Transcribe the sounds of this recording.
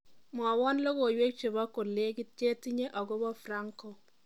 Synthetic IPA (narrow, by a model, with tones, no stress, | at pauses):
mwa˨wɔ˦nlo˦ɡo˨jwe˦k̚t͡ʃe˨bɔ˦ko˨le˦ɡɪ˦te˦ti˦ɲe˦ʔɔ˨ɡo˦bɔ˦fra˦ŋko˨